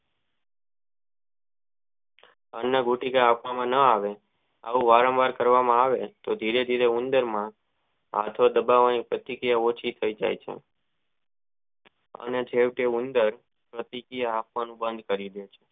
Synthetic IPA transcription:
ənːaɡuʈikaːpʰʋamãnəaʋe | a̰ʋũʋaɾə̃mʋaɾkəɾʋamãaʋet̪od̪ʱiɾed̪ʱiɾeund̪əɾmã | a̰t̪ʰod̪əbaʋanipɾət̪ikijaot͡ʃʰit̪ʰəid͡ʒa̰jt͡ʃʰḛ | ə̰ned͡ʒeʋʈeund̪əɾ | pɾət̪ikijaːp̚ʋanũbə̃nd̪̚ʱkəɾid̪jet͡ʃʰe̥

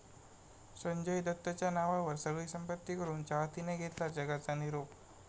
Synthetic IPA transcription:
səɲd͡ʑəjd̪ət̪ːət͡ɕjanaʋaʋəɾsəɡɭiːsəmpət̪ːikəɾuːnt͡ɕaʋat̪ineɡʱet̪lad͡zəɡat͡saniɾop

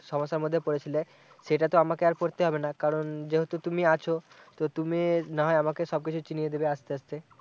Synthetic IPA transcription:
ʃɔmoʃːaɾmod̪ʱːepoɾet͡ɕʰile | ʃeʈat̪oamakeaɾpoɾt̪eɦɔbenakaɾond͡ʑeɦot̪ot̪umiat͡ɕʰo | t̪ot̪uminaɦɔeamakeʃɔb̚kit͡ɕʰut͡ɕinijed̪ebeaʃt̪eaʃt̪e

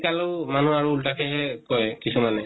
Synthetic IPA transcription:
kaloman̤uaɹuːltakʰɛɦɛkɔjkisumanɛ

